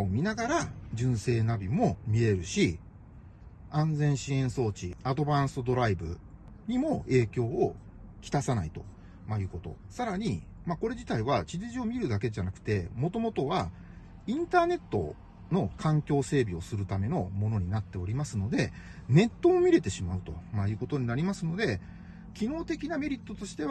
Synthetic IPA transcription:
omʲinaɡaɾad͡ʑɨ̃ɰ̃se̞ːnabʲimo̞mʲie̞ɾɯ̟ɕi | ãnd͡zẽ̞ɰ̃ɕiẽ̞ɰ̃so̞ːt͡ɕiad̪o̞bãɰ̃sɨd̪o̞ɾaibɯ̟̰ | ɲ̟imo̞e̞ːkʲo̞ː | kʲi̥t̪asanait̪o̞ | majɯ̟ːko̞t̪o̞̰saɾaɲ̟i | mako̞ɾe̞ʑit̪aiβat͡ɕid͡ʑiʑio̞mʲiɾɯ̟d̪ake̞ʑanakɯ̟̥t̪e̞mo̞t̪o̞mo̞t̪o̞βa | ĩnt̪aːne̞t̪ːo̞̰ | no̞kʰãŋkʲo̞ːse̞ːbʲio̞sɨɾɯ̟t̪ame̞no̞mo̞no̞ɲ̟inat̪ːe̞o̞ɾʲimasɨno̞d̪e̞ne̞t̪ːo̞ːmʲiɾe̞t̪e̞ɕimaɯ̟t̪o̞majɯ̟ːko̞t̪o̞ɲ̟inaɾʲimasɨno̞d̪e̞ | kʲino̞ːt̪e̞kʲiname̞ɾʲit̪ːo̞t̪o̞ɕi̥t̪e̞

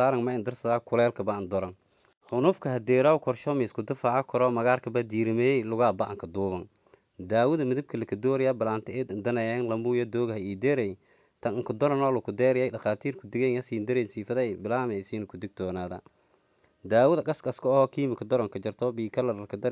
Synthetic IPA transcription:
aːɾɐŋmɐɪnd̪ɪrsɐðaːkʰʊlɛːlkʰɐbɐɪnd̪ɔɾɐŋ | hʊnʊfkʰɐɦɐd̪ɛːɾaːwkʰɔrʃɔmɪskʰʊd̪ɪfaɐkʰɔɾɔmɐɣaːrkʰɐbɐd̪iːɾɪmɛɛlʊɣaːbɐʔɐŋkʰɐd̪uːβɐŋ | d̪aːwʊðɐmɪðɪb̚kʰɐlɐkʰɐd̪ɔːɾɪjabɪlaːnt̪ʰɪɛd̪ɪnd̪ɐnɛjɛnlɐmuːjɔd̪ɔːɣɐhɐiːd̪ɛːɾɛj | t̪ʰɐnɪŋkʰʊd̪ɔɾɐnɔːlʊkʰʊd̪ɛːɾɛjɛjɖɐxaːt̪ʰiːrkʰʊd̪ɪɡɛnɐsiːnd̪ɪɾɛnsiːfɐðɛjbɪlaːmɛɪsiːnɐkʰʊd̪ɪɡ̚t̪ɔːnaːðɐ̰ | d̪aːwʊðɐɡɐskɐskʰɔɔhɔkʰiːmɪkʰɐd̪ɔɾɔŋkʰɐd͡ʒɐrt̪ʰɔːbiːkʰɐlɐɾlɐkʰɐd̪ɐ

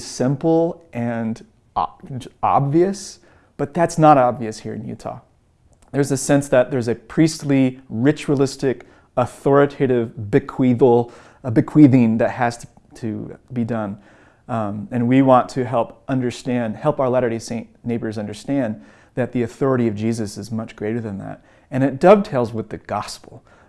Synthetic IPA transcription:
z̥sɪ̃mpl̩ˠʔɨ̃n | ɑ̰bviɨs | b̥ʌt̪̚ðætsnəɾɑbviɨshiɹɨ̰̃njʉ̰tʰɑ̰ | ðə˞zɨsɛ̃nsðɨt̪̚ðə˞zɨpʰɹ̥istˡliɹɪt͡ʃuəlˠɪstɪk | əθɔɹɨtʰeɪɾɪvbɨkʰw̥iðl̩ˠ | bɨkʰw̥iðɪ̃nðɨt̚hɨz̥tʰ | tʰɨ̰bidʌ̃n | ɨ̃nwiwɑ̃ntʰɨɦɛlˠpʔʌ̃ndə˞stæ̃nd̥hɛlˠpaʊə˞læɾə˞ɾisẽɪ̃nʔneɪbə˞zʌ̃ndə˞stæ̃n | ðɨt̪̚ðiɨθɔɹɨɾiʌvd͡ʒizɨsɨzmʌt͡ʃɡ̥ɹeɪɾə˞ðɨ̃nðæ̰t̚ | ɨ̃ñɨt̚d̥ʌb̚tʰeɪlˠzwɨðɨɡ̥ɑspl̩ˠ

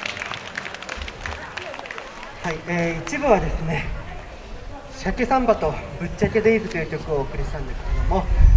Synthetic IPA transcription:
haieːit͡ɕibɯ̟βad̪e̞sɨne̞ | ɕake̞sãmbat̪o̞bɯ̟t͡ɕt͡ɕːake̞d̪e̞izɨt̪o̞jɯ̟ːkʲo̞kɯ̟oːkɯ̟ɾʲiɕi̥t̪ãnd̪e̞sɨ̥keɾed̪o̞mo̞

